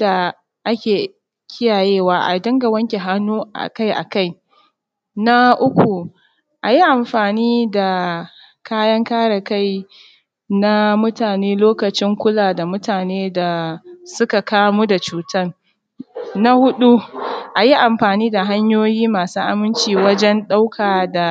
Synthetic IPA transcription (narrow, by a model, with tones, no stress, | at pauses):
da˨ | ʔa˦kʲeː˨ | kʲʰɪ˦jaː˨jeː˦waː˦ʔa̰˨dɐ˦ŋɡa˨wɐ˦ŋkʲe˨ɦa˦nːuː˦ʔa̰˨ka˦jʔa̰˨ka˦˨j | na˦ʔʊ˦kʷu˨ | ʔa˨ji˦ʔa˨mɸaː˨niː˦da˨ | kʰaː˦jɐ˦ŋkaː˦ɽa˨ka˦j | na˦mʊ˦taː˨neː˦loː˦kɐ˨t͡ʃɪ˦ŋkʷʊ˦laː˨da˨mʊ˦taː˨neː˦da˨sʊ˦ka˨kaː˦mu˦da˨t͡ʃuː˨tɐ˦n | na˦hʊ˦ɗu˦ʔa˨ji˦ʔa˨mɸaː˨niː˦da˨ɦa˦ɲjoː˦jiː˦maː˨suː˦ʔa˨mɪ˦nt͡ʃiː˨wɐ˦d͡ʒɛ˦nɗa˦wkʰaː˨da˨